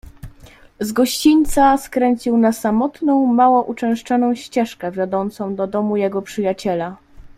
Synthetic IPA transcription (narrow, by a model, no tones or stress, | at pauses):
zɡɔɕt͡ɕiɲʲt̪saskɾɛɲt͡ɕiwnasamɔt̪nɔ̃w̃mawɔʔut͡ʂɛ̃w̃ʂt͡ʂɔnɔ̃w̃ɕt͡ɕɛʂkɛvʲjɔd̪ɔnt̪sɔ̃w̃d̪ɔd̪ɔmujɛɡɔpʂɘjat͡ɕɛla